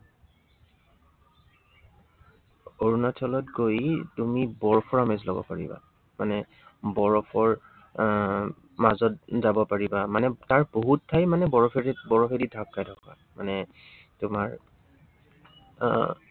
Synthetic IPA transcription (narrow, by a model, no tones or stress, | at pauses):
oɹunatʰɔlɔtɡojtumibɔɹɔpʰɔɹamezlɔbɔ̰paɹḭba̰ | manɛ | bɔɹɔpʰɔɹ | mazɔt̚zabɔpaɹibamanɛtaɹboɦuttʰːajmanɛbɔɹɔpʰeɛbɔɹɔpʰedidʱakːajdʱɔka̰ | manɛ | tʊmaɹ